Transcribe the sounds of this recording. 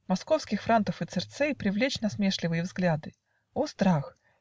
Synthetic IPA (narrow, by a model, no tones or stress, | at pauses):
mɐsko̞fskʲɪxfɾant̪əfɨt̪sɨrt̪sɛjpɾʲɪvlʲet͡ɕnɐsmʲeʂlʲɪvɨjəvzɡlʲad̪ɨ | ost̪ɾax